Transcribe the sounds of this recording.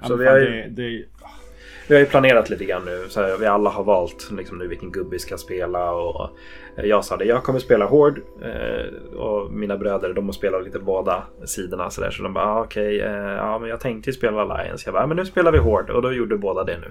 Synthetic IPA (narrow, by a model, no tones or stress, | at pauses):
sɔvɪhaɾjd̪ | vɪhajɵpʰlaneːɾat̪liːt̪əɡɾanːʉ̟ːsɔvɪalːaɦaɾvɑːlt̪lɪksɔmnʉːvɪlkːənɡɵbːɪskajaspeːlaɔ̰ | jɑːɡsɑːd̪ɛjɑːɡ̚kʰɔmːəɾspeːlaɦoːɖ̰ | ɔ̰mɪnabɾøːd̪əɾd̪ɔmhɔspeːlat̪liːt̪əboːd̪a | siːd̪əɳa̰sɔd̪æ̰ːʂɔd̪ɔmbɑ̰ːɑːɔkʰɛjɑ̰ːmɛnjɑːɡt̪ʰɛŋkt̪əjʏspeːlaala̰jə̰nsjɑːbɑːmɛnːʉ̟ːspeːlaɾvɪɦoːɖɔ̰d̪ɔjuɖəd̪ɵboːd̪ad̪ɛnʉ̟ː